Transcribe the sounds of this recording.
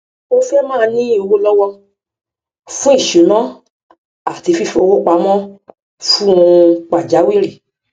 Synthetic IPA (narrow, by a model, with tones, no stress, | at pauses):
o˦fɛ˦mãː˦˧nĩ˦o˧wo˦lɔ˦wɔ˦ | fũ˦i˦˨ʃu˨˦nã˦ | a˨ti˨˧fi˦˨fo˧wo˦k͡pa˧˦mɔ̃˦ | fu˦ũ˧k͡pa˨d͡ʒa˨˦wi˦ɾe˦˨